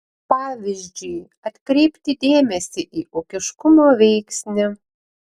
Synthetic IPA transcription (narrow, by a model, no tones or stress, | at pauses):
pɑːʋʲɪzʲd͡ʒʲʊj | ɐt̪kɾʲɛɪpʲt̪ʲɪd̪ʲeːmʲɛsʲɪʔiːʔukʲɪʃkʊmoːʋʲɛɪksʲnʲɪ